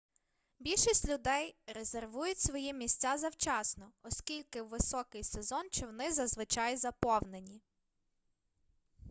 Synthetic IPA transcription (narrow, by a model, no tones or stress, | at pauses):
bʲilʲʃisʲtʲlʲʊd̪ɛjɾezerʋujʊtʲsʋɔjimʲisʲt͡sʲːazɐwt͡ʃɑsnɔɔskʲilʲkɪwʋɪsɔkɪjsezɔnt͡ʃɔwnɪzɐzʋɪt͡ʃɑjzɐpɔwnenʲi